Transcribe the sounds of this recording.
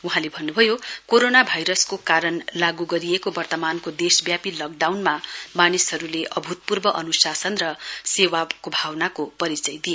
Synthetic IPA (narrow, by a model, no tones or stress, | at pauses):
uɦãlebʱʌnːubʱʌjokoɾonabʱajɾʌskokaɾʌnlaɡuɡʌɾijekobʌrt̪ʌmankod̪esbjapilʌɡɖawnmamanishʌɾuleʔʌbʱut̪̚purbʌʔʌnusasʌnrʌsewakobʱawnakopʌɾit͡sʌjd̪ie